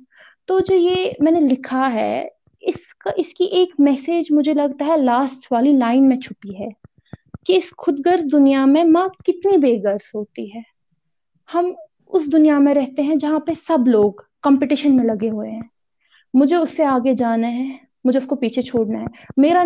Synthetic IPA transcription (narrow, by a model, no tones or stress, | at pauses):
t̪oːd͡ʒoːjeːmɛ̃ːnelɪkʰaɦɛ̰ː | ɪs | kaʔɪskiʔeːkmɛːseːd͡ʒmʊd͡ʒʱelɐɡ̚t̪aɦɛlaːsʈʋaːlilaːɪnmẽt͡ʃʰʊpiɦɛː | kiɪsxʊd̪ɡəɾzd̪ʊnijamẽmãkɪt̪nibeːɡəɾz̥ɦoːt̪iɦɛː | hɐm | ʊs̬d̪ʊnijamẽɾɛɦt̪eɦɛ̃d͡ʒɐɦãpesɐbloːɡkɐ̃mpɪʈɪʃənmẽlɐɡeɦʊeɦɛ̃ː | mʊd͡ʒʱeʊsːeaːɡed͡ʒaːnaɦɛ | mʊd͡ʒʱeʊskopiːt͡ʃʰet͡ʃʰoːɽnaɦɛːmeːɾa